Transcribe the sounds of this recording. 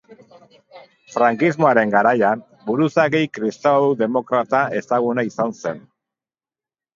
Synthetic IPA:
fɾaŋkizmo̞aɾe̞ŋɡaɾajan | buɾusaɣejkɾist̪aðe̞mo̞kɾat̪ae̞saɣ̞unaisanse̞n

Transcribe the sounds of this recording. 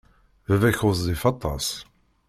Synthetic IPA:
vævæçʊððˤifɑt̪ˤːɑ̰s

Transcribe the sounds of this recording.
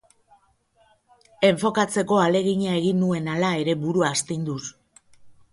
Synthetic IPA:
e̞ɱfo̞kat͡se̞ko̞ale̞ɣ̞iɲae̞ɣinue̞nalae̞ɾe̞βuɾuaːst̪ind̪us

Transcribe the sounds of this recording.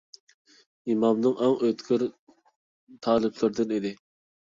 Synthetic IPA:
imɑmnɨŋæŋʔøt̪kʰʲɪɾ | t̪ʰɑːlˠɨblɪɾɪd̪ɪnid̪ɪ

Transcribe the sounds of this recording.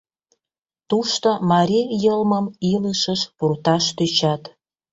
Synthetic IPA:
t̪uʃt̪omɑɾʲijəlməmiləʃəʃpurt̪ɑʃt̪øt͡ɕɑt̪

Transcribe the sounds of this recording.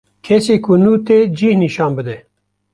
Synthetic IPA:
kʰɛseːkʊnuːt̪eːd͡ʒiːhniʃɑːnbɨd̪ɛ

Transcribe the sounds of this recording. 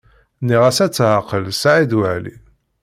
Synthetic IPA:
niʁæsæt͡sːʕaqəlsʕid̪wəʕlḭ

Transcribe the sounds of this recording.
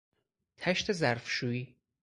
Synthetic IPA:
t̪ʰæʃt̪ʰe̞zæɾfʃuːiː

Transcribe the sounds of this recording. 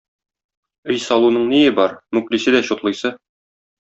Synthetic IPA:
ɘjsɒlˠunɤɴnijɘbɒɾmʉklisɘd̪æɕŏt̪lˠɤ̆jsɤ

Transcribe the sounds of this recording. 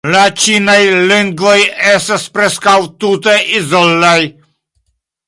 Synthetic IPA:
lat͡ʃinajliŋɡvɔjɛst̪aspɾɛskawt̪ut̪ɛʔizɔlːaj

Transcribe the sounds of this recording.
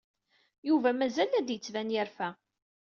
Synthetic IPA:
juvæmæzælæd̪jət͡sːvænjəɾfæ

